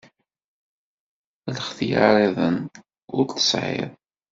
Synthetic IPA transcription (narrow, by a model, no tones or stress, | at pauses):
ləχθja̰ɾˤiðˤən | ʊɾt̪ə̥sʕɪ̰ðˤ